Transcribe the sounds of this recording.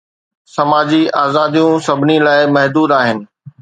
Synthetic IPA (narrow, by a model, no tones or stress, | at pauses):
sɐmaːd͡ʑiaːzaːd̪ijũsɐbʱɪnilaːɪmɐɦd̪uːd̪aːɦɪnɪ̆